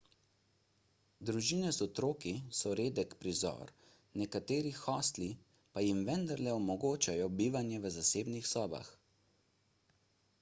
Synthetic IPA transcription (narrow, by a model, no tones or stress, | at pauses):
d̪ɾuʒiːnɛzɔt̪ɾoːkisɔɾeːd̪ɛkpɾizɔ̰ːɾ | nɛkat̪eːɾixɔːst̪li | pajimʋɛnd̪aɾlɛɔmɔɡoːt͡ʃajɔbiːʋanjɛʋəzaseːbnixsɔːba̰x